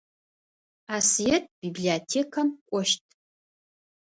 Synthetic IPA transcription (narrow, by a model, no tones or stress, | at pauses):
asjetʼb̥ibliotʰekʰamkʷʼʊʃtʼ